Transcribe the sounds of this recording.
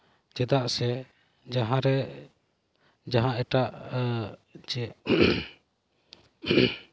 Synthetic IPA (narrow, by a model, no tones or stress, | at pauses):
d͡ʒɛd̪aʔsɛ | d͡ʒaɦãɾɛ | d͡ʒaɦãʔɛʈaʔ | d͡ʒɛ